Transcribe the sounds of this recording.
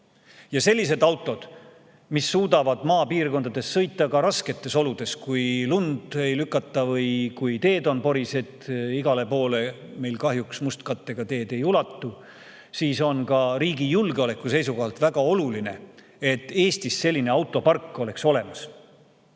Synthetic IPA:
jɑse̞lʲːise̞d̪̥ɑwt̪ːˑo̞d̪̥ | misːuːd̪ɑvɑd̪̥mɑːpiːrko̞nd̪ɑd̪̥e̞sːɤ̞jt̪ːˑɑkɑɾɑske̞t̪ːˑe̞so̞lud̪̥e̞skujlund̪̥e̞jlykːˑɑt̪ˑːɑvɤjkujt̪e̞ːd̪o̞npo̞ɾise̞t̪ːiɡɑle̞po̞ːle̞me̞jlkɑɦjuksmust̪kɑt̪ːe̞ɡ̥ɑt̪e̞ːd̪e̞julɑt̪ːu | siːso̞nkɑɾiːɡijulɡeo̞le̞kːˑuse̞jsuɡɑːlt̪ˑvæɡ̥ɑo̞luline̞̰ | e̞t̪ːe̞ːst̪isse̞lʲːine̞ɑwt̪ːˑo̞pɑrkːo̞le̞kso̞le̞mɑs

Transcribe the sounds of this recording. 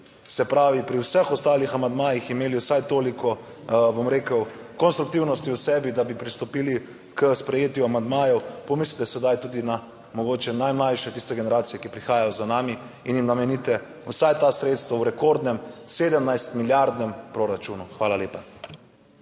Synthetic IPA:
sɛpɾaːʋipɾiwsəxɔst̪aːlixamand̪maːjiximeːliwsajt̪oːlikɔ | bomɾeːkəw | kɔnst̪ɾuk̚t̪iwnɔst̪iusɛbid̪abipɾist̪ɔpiːli | kəspɾɛjeːt̪juamand̪maːjɔwpɔmislit̪ɛsɛd̪ajt̪uːd̪ina | mɔɡoːt͡ʃɛnajmlajʃɛt̪ist̪ɛɡenɛɾaːt̪sijɛkipɾixaːjajozanaːmi | injimnamɛnit̪ɛ | wsajt̪asɾeːt̪st̪ʋawɾɛkoɾd̪nɛmseːd̪ɛmnajst̪miljaɾd̪nɛmpɾoɾat͡ʃuːnuxʋaːlaleːpa

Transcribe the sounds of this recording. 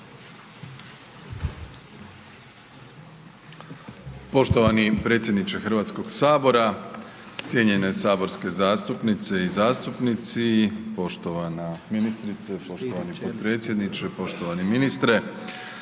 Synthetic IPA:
po̞ʃt̪oʋanipɾe̞ːt̪sjed̪nit͡ʃe̞xrɾʋaːt̪sko̞ɡsaːbo̞ɾa | t̪sʲje̞ɲe̞ne̞saːbo̞ɾske̞zaːst̪upnit̪se̞izaːst̪upnit̪sipo̞ʃt̪o̞ʋanaminist̪ɾit̪sepo̞ʃt̪oʋanipot̪̚pɾe̞ːt̪sje̞d̪nit͡ʃepo̞ʃt̪o̞ʋaniminist̪ɾe̞

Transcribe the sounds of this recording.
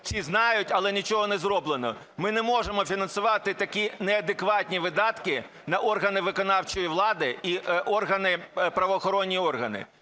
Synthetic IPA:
sʲiznɑjʊtʲɐlˠɛnʲit͡ʃɔɦɔnɛzɾɔblˠenɔ | mɪnɛmɔʒemɔfʲinɐnsʊʋɑt̪ɪt̪ɐkʲinɛɐd̪ekʋɑtʲnʲiʋɪd̪ɑt̪kɪ | nɐʔɔrɦɐnɪʋɪkɔnɑwt͡ʃɔjiʋlˠɑd̪ɪiʔɔrɦɐnɪpɾɐʋɔːxɔɾɔnʲːijɔrɦɐnɪ̰

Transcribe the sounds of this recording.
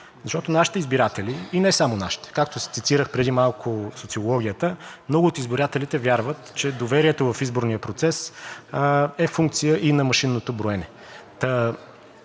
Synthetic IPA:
zɐʃt̪ɔt̪onaʃi̥t̪ɛizbiɾat̪ɛliinɛsamonaʃi̥t̪ɛ̥kak̚t̪osɛ̥t̪sit̪iɾəxpɾɛd̪imalˠkʰosot̪siolˠɔɡ̟ʲijət̪əmnɔɡʊːt̪izbiɾat̪ɛlit̪ɛvjaɾvət̪t͡ʃɛd̪ovɛɾiɛt̪ovɐfizboɾnijəpɾot̪sɛs | ɛfuŋk̚t̪sijəʔinɐmɐʃinːot̪obɾoɛnɛ | t̪ə

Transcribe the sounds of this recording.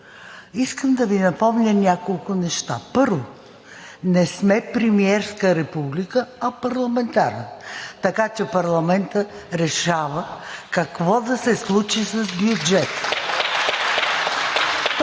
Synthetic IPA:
iskəmd̪ɐvinɐpɔmnʲənʲakolˠkʊnɛʃt̪a̰pɤɾvo | nɛsmɛpɾɛmiɛɾskəɾɛpublikəɐpɐɾlˠɐmɛnt̪aɾnət̪ɐkat͡ʃɛpɐɾlˠɐmɛnt̪ə | ɾɛʃavəkɐkvɔd̪ɐsɛslˠut͡ʃisɐzbjud͡ʒɛt̪ə̥

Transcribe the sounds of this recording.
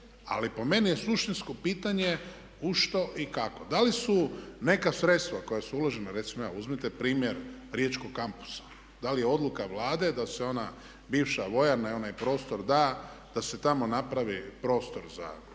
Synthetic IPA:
a̰lipo̞me̞nije̞suʃt̪insko̞piːt̪aɲe̞ | uʃt̪o̞ʔikako̞d̪alisune̞kasɾet̪st̪ʋako̞jasuuloʒenaɾe̞t̪simoja̰ːuzmit̪e̞pɾiːmjeɾɾjet͡ʃkoɡkampu̥sḁ | d̪alije̞o̞d̪lˠukaʋlaːd̪e̞d̪aseo̞na | biːʋʃaʋo̞jaɾnajo̞najpɾo̞ːst̪o̞ɾd̪aː | d̪̥ase̞t̪amo̞napɾaʋipɾo̞ːst̪o̞ɾza̰

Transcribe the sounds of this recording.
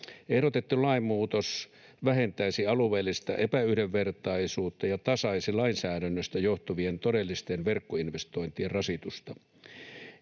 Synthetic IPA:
ehɾot̪et̪ːulɑimːuːt̪os | ʋæhent̪æisiɑluʋeːlːist̪ɑ̰ʔepæyhdeʋːert̪ɑisuːt̪ːɑjɑt̪ɑsɑisilɑinsæːɾænːøst̪æjoht̪uʋient̪odelːist̪enʋerkːoinʋest̪oint̪ierrɑsit̪ust̪ɑ

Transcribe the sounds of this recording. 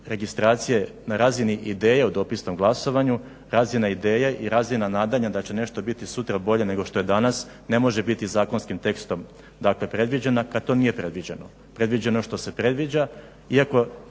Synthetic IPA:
ɾe̞ɡist̪ɾaːt̪sije̞naɾaːziniʔid̪e̞ːjaud̪o̞ːpisno̞mɡlˠaso̞ʋaɲu | ɾaːzinaid̪e̞ːjaʔiɾaːzinanaːd̪aɲad̪at͡ɕe̞ne̞ʃt̪o̞bit̪isut̪ɾabo̞ʎe̞ne̞ɡo̞ʃt̪o̞jed̪anas | ne̞mo̞ʒe̞bit̪izaːko̞nskimt̪e̞kst̪o̞m | d̪akle̞pɾe̞d̪ʋid͡ʑenakat̪o̞nije̞pɾe̞d̪ʋid͡ʑeno | pɾe̞d̪ʋid͡ʑeno̞ʃt̪o̞se̞pɾe̞d̪ʋid͡ʑa | iako̞

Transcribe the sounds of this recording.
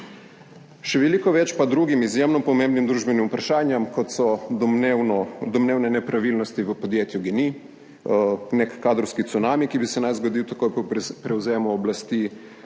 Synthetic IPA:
ʃɛʋɛlikɔʋɛt͡ʃpad̪ɾuɡimizjemnɔpɔmẽːmbnimd̪ɾuːʒbɛnimupɾaʃaːnjɛmkɔt̪sɔwnɔd̪ɔmneːwnɛnɛpɾaʋilnɔst̪iʋəpod̪jeːt̪juɡɛni | nekkːaːd̪ɾɔwskit̪sunaːmikibisɛnajzɡod̪iwt̪ɐkojpɔpɾɛwzeːmɔːblast̪i

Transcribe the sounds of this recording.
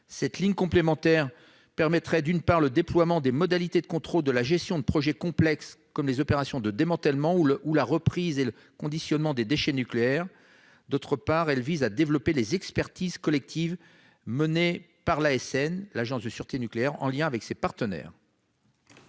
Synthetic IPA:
sɛt̪liɲkɔ̃plemɑ̃t̪ɛʁ | pɛʁmɛt̪χɛd̪ynpaʁləd̪eplwamɑ̃d̪emɔd̪alit̪ed̪əkɔ̃t̪χold̪əlaʒɛst̪jɔ̃d̪əpχɔʒɛkɔ̃plɛkskɔmlezɔpeʁasjɔ̃d̪əd̪emɑ̃t̪ɛlmɑ̃uulaʁəpχizelə | kɔ̃d̪isjɔnmɑ̃d̪ed̪eʃɛnykleɛʁ | d̪ot̪χəpaʁɛlvizad̪evlɔpelezɛkspɛʁt̪iz̥kɔlɛk̚t̪ʰiv | məne | paʁlaɛsɛnlaʒɑ̃sd̪əsyʁt̪enykleɛʁɑ̰̃ljɛ̃avɛksepaʁt̪ənɛ̰ːʁ

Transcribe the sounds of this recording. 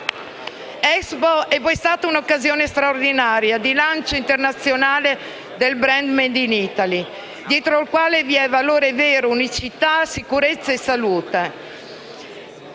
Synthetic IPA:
ɛkzboɛvɔjst̪aːt̪aunokːazjoːnest̪ɾaord̪inaːɾjad̪ilant͡ʃoint̪ernat̪sːjonaːle | d̪elbɾɛnd̪mend̪init̪ali | d̪jɛːt̪ɾoilkwaːleviɛvaloːɾeveːɾounit͡ʃit̪asikuɾet̪sːaesaluːt̪e

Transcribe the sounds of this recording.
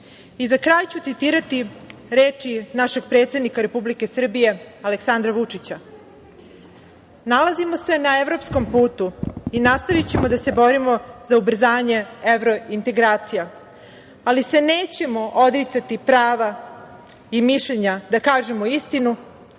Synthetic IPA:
izakɾaːjt͡ɕut̪sit̪iːɾat̪iɾeːt͡ʂinaʃe̞ɡ̚pɾet̪sed̪nikaɾepublike̞sr̩bije̞aleksand̪ɾaʋut͡ʂit͡ɕa | nalazimo̞se̞naevɾo̞psko̞mpuːt̪uinast̪aʋit͡ɕe̞mod̪ase̞bo̞ɾimo̞zaubr̩zaːɲe̞eʋɾoint̪e̞ɡɾaːt̪sija | alise̞neːt͡ɕe̞mo̞ʔod̪ɾit̪sat̪ipɾaːʋa | imiʃʎeɲad̪akaːʒe̞moist̪inu

